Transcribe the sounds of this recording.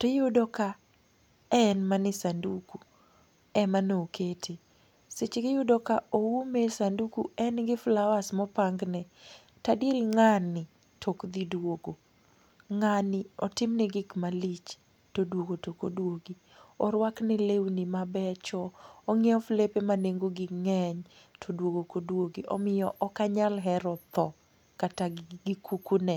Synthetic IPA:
tɔjʊdɔka | ɛnmanɪsanduku | ɛmanoukʰetʰe | set͡ʃɡɪjʊdɔkaowumesandukuɛnɡɪflawasmɔpaŋɡnɛ | tadiɾiŋanɪ | tʰokd̪idwoɡo | ŋanɪɔtɪmnɛɡɪkmalit͡ʃ | todwoɡotokodwoɡi | ɔɾwaknɛlewnimabɛt͡ʃɔɔŋɛɔflepemaneŋɡoɡɪŋɛɲ | tʰodwoɡokodwoɡiʔɔmɪjɔʔɔkaɲalɦɛɾɔt̪ɔ | kataɡɪkukunɛ

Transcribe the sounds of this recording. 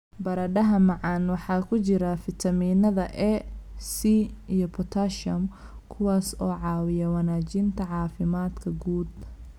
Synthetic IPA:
bɐɾɐɖɐɦɐmɑʕɑːnwɑħɑːkʰʊt͡ʃɪɾɐfɪt̪ʰɐmiːnɐðɐʔɛsiijɔpʰɔt̪ʰɐʃɐm | kʰʊwaːsɔːʕɑːwɪjɐwɑnaːt͡ʃɪnt̪ʰɐʕɑːfɪmaːd̪kʰɐɡuːd̪

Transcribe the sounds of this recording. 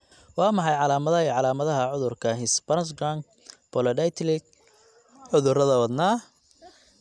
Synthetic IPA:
wɑːmɑħɑjʕɑlaːmɐðɐiʕɑlaːmɐðɐɦɐʕʊðʊrkʰɐɦɪsbɐsɡɾaŋ | b̥ɔlɐdɐjt̪ʰlɪk̚ | ʕʊðʊrɐðɐwɐd̪naː

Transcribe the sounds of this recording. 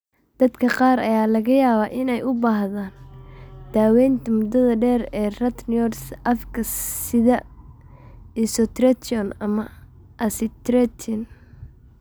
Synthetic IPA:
d̪̥ɐd̪kʰɐqɑːrɐ̰jaːlɐɣɐjaːβaːʔɪnɛjʊbaːɦðaːnd̪̥aːwɛjnt̪ʰɐmʊd̪ɐðɐɖɛːrɛːrɐt̪njɔrsʔɐfkʰɐsɪðɐ | ɪsɔt̪ɾɛt̪ʰɔnɐmɐ | ʔɐsɪt̪ɾɛt̪ʰɔn

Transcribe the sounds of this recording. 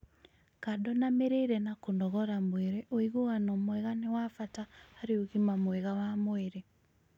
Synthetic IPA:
kadɔnameɾeiɾɛnakondɔɣɔɾamweɾeʔoiɣowanɔmwɛɣanewafataːɾeoɣimamweɣawamoeɾe

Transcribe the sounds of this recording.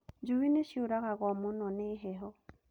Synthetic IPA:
d͡ʒuwineʃioɾaɣaɣɔmonɔneɦɛɦɔ

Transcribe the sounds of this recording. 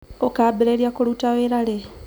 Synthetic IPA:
okaːbeɾeɾjakolutaweːɾale

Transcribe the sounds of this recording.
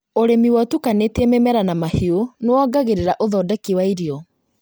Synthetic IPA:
oɾemiwɔtukanetememɛɾanamahionewɔɡaɣeɾeɾaʔoðɔdɛkiwaiɾiɔ

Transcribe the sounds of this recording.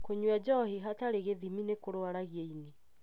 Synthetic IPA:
koɲwɛd͡ʒɔhiɦataɾeɣeðiminekoɾoaɾaɣieine

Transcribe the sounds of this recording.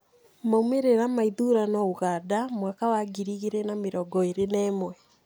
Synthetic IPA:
maumeɾeɾamaiðuɾanauɣaːdamwakawaɡiɾiɣeɾenameɾɔɡɔeɾenɛːmwɛ

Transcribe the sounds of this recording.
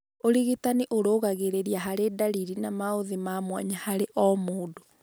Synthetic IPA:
oɾiɣitaniʔoɾoːɣaɣeɾeɾiaɦaɾedaɾiɾinamaoðemamwa̰ɲahaɾeʔɔmoːdo

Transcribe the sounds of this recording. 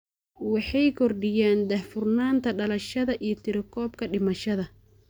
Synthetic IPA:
wɑħɑjkʰɔrɖɪjaːnd̪ɐhfʊrnaːnt̪ʰɐɖɐlɐʃɐðɐʔijɞt̪ʰɪɾɪkʰɔːb̚kʰɐɖɪmɐʃɐðɐ

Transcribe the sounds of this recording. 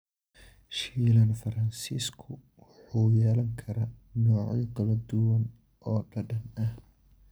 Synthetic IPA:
ʃiːlɐnfɐɾɐnsiːskʰʊwʊħuːjɛːlɐŋkʰɐɾaːnɔːʕ̰jɐɡɐlɐd̪ʊwɐn | ʔɔːɖɐɖɐnɐh

